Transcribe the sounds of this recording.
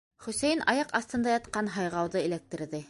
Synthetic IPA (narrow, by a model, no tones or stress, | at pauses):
χɵ̆sæjɘnɑjɑqɑst̪ɤ̆nd̪ɑjɑt̪qɑnɦɑjʁɑwðɤɘ̆læk̚t̪ɘ̆ɾðɘ